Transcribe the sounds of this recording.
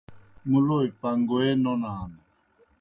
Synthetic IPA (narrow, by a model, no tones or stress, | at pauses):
muloipaŋɡoɛnɔnaːna